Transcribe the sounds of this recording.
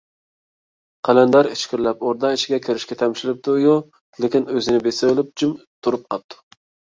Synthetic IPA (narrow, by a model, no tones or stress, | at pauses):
qʰɛlɛnd̪ɑɾit͡ʃkʲʰɪɾlɛpoɾd̪ɑɪʃɪɡʲɛkʲʰeɾɪʃkʲɛt̪ʰɛmʃɪlɪp̚t̪ujo | lɪkʲinøzɪnɪbesɛblˠɨp̚d͡ʒimt̪ʰuɾup̚qʰɑp̚t̪ʰu̥